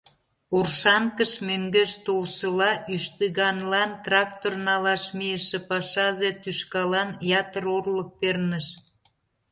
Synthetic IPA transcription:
orʃɑŋkəʃmøŋɡeʃt̪olʃəlɑʔyʃt̪əɣɑnlɑnt̪rɑk̚t̪ornɑlɑʃmijəʃĕpɑʃɑzet̪yʃkɑlɑnjɑt̪əɾorlək̚pernəʃ

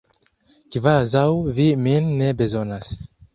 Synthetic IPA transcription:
kivazawviminːebezo̞nas

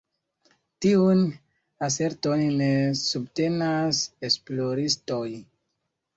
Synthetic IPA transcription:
tiun | as̬e̞ɾtonne̞sub̚te̞nasesploɾisto̞j

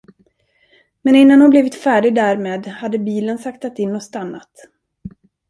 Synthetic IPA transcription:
mɛnɪnːanhʊnblɛvɪt̪fæːɖɪɡ̚d̪æɾmeːd̪had̪ːəbiːlənsakt̪at̪ɪnːɔst̪anːa̰t̪

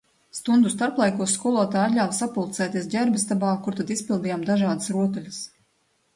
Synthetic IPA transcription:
st̪und̪ust̪aɾplˠajkuɔskuɔlˠuɔt̪aːjat̪lʲawsapulˠt̪sɛːt̪iɛs̬ɟʲæɾbist̪abaːkuɾt̪ad̪isʲpilˠd̪ijaːmd̪aʒaːd̪ɨsɾuɔt̪̬ulʲas

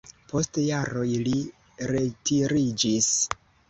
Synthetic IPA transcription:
po̞stjaɾo̞jli | ɾe̞tiɾid͡ʒis

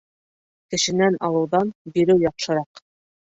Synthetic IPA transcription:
kɘ̆ʃɘ̆nænʔɑlˠɤ̆wðɑnbiɾɘwjɑqʃɤ̆ɾɑq

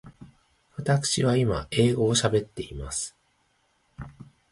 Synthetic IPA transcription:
βat̪akɯ̥ɕiβ̞aimae̞ːɡo̞ːɕabe̞t̪ːe̞imasɨ̥

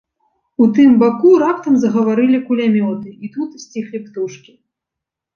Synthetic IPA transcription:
ut̪ɨmbakuɾapt̪ɐmzɐɣɐvaɾɨlʲikulʲamʲɔt̪ɨit̪ut̪sʲt͡sʲixlʲipt̪uʂkʲi

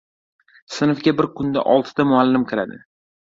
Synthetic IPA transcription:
sɪnfɡʲabɪɾkʰʊnd̪a̰ʔɒlˠt̪ʰɪd̪amʊalːɪmkʰɪɾad̪ɪ̰

